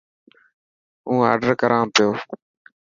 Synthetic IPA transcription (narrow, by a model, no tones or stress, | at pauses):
ũːa̰ːɖəɾkəɾʔãːmpɪjoː